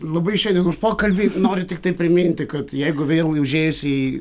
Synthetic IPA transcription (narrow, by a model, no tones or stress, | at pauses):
lˠɐbɐɪʃɐɪnɪuʃpoːkɐlʲbʲinoːɾʲʊt̪ɪk̚t̪ɐɪpɾɪmʲinʲt̪ʲɪkɐt̪jɛjɡʊʋʲeːlˠʊʒʲeːʋɪsɪ